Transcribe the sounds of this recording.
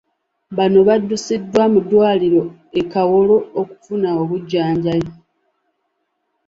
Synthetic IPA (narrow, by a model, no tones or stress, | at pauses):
βano̞βadːusidːwamudwaːliɾo̞ | ekawolo̞ːku̥funaoβuɟːaːɲɟajo